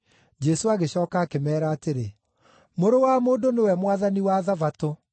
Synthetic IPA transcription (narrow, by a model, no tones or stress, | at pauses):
d͡ʑɛsoaɣeɕɔːkaːkemɛːɾaːteɾe | moɾowamoːdonewɛmwaðaniwaðavato